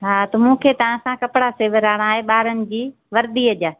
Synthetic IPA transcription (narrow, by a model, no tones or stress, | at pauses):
ɦaːt̪ɐmũːkʰeːt̪ɐʋ̤ãɐsãkɐpɽaseːʋəɾaːɽ̃aːɦeɓaːɾənɪ̆d͡ʑiː | ʋɐɾd̪iːɐd͡ʑaː